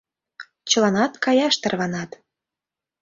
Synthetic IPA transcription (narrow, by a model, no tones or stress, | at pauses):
t͡ɕəlɑnɑt̪kɑjɑʃt̪ərβɑnɑt̪